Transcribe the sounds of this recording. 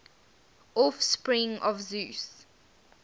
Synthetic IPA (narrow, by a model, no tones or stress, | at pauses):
ɔfspɹĩŋʔɔvzʉs